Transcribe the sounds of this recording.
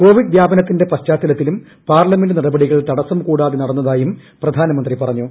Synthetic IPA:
ko̞ːʋiɖd̪jaːbɐnɐt̪ːinde̞pɐɕt͡ɕaːt̪ːɐlɐt̪ːilum | paːrlɐme̞nɖɨnirɐbɐɽiɣɐɭt̪ɐɽɐsɐmkuːɽaːðinɐɽɐnːɐðaːjumprɐd̪ʱaːnɐmɐnd̪ripɐrɐɲːu

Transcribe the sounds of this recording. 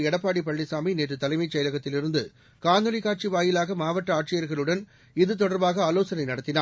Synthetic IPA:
ɛɽɐpːaːɽipɐɭːɪsaːmineːʈrɯt̪ɐlɐɪmɐɪt͡ʃɐjɐlɐɣɐt̪ːɪlɪɾɯnd̪ɯ | kaːnd̪ɐlɪkaːʈ̚t͡ʃiʋaːjɪlaːɣɐmaːʋɐʈːɐaːʈ̚t͡ʃɪjɐɾɣɐɭɯɽɐn | ɪðɯt̪̬ɔɽɐɾbaːɣɐaːloːsɐnɐɪnɐɽɐt̪ːɪnaː

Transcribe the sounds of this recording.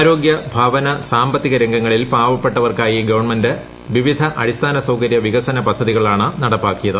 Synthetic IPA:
ɾo̞ːɡjɐbʱaːʋɐnɐsaːmbɐt̪ːiɣɐɾeŋɡɐŋːɐɭilpaːʋɐpːe̞ʈːɐʋɐrkaːjiɡɐʋɐɳmɐndɨ | ʋiʋid̪ʱɐʔɐɾist̪ʰaːnɐsɐwkɐɾjɐʋiɣɐsɐnɐpɐd̪ʱːɐðiɣɐɭaːɳɨnɐɽɐpːaːkːijɐðɨ

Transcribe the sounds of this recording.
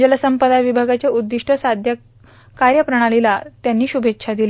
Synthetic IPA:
d͡ʑələsəmpəd̪aʋibʱaɡat͡ɕjaud̪ːiʂʈʰəsad̪ʱja | kaɾjəpɾəɽ̃alilat̪janːiːɕubʱekːɕʰad̪il

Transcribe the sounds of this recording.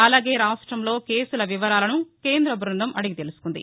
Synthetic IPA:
ɐlaːɡe̞ːɾaːʂʈɾɐmlo̞ːke̞ːsulɐʋiʋɐɾaːlɐnuke̞ːnd̪ɾɐbɾund̪ɐmɐɽiɡit̪e̞lusu̥kund̪ḭ

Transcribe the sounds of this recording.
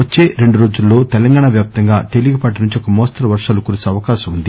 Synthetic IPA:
ʋɐt͡ʃːe̞ːɾe̞ɳɖuɾo̞ːd͡ʒulːo̞ːt̪ɛlɐŋɡaːɳaʋjaːp̚t̪ɐŋɡaːt̪e̞liɡɐpɐʈ̬ɐnuɲt͡ʃiɔkɐmoːst̪ɐɾɐʋɐɾʂaːlukuːɾiseɐʋɐkaːʃɐmund̪i

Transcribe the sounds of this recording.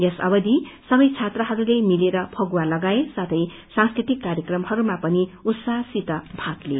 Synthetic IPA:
jʌsʌbʌd̪isʌbʌjt͡sʰat̪rʌɦʌɾulajmileɾʌpʰʌɡwalʌɡaesat̪ʰʌj | sãnskrit̪ikːarjʌkrʌmhʌɾumapʌniut̪sasit̪ʌbʱat̪le

